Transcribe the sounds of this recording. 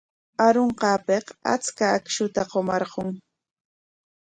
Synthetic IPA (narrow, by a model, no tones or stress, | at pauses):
aɾoɴqɑːpeqa̰t͡skaːkʃʊt̪aqomɑɾɢoŋ